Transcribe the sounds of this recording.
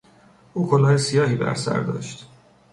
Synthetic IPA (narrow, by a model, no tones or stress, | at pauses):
ʔuːkʰolɒːjesijɒːhiːbæ̰ɾsæ̰ɾd̪ɒ̰ːʃt̪